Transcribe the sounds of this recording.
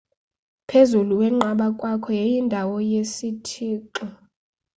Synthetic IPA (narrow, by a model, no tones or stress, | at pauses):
pʰezuluwɛŋ͡ǃaɓakʼwakʰɔjejindʱawɔjesitʰiːǃɔ